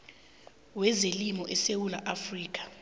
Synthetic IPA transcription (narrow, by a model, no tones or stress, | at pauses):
wɛzelimɔʔɛsewulaʔafriːk̬ʼḁ